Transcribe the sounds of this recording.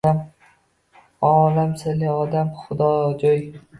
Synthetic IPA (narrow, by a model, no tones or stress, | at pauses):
am | ɒːlamsalɪɒd̪amχʊd̪ɒd͡ʒɒj